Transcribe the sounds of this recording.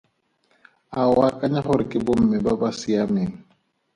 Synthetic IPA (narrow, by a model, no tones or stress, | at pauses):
aʊakʼaɲaχʊɾɪkʼɪbʊm̩mɛbabasiameːŋ̩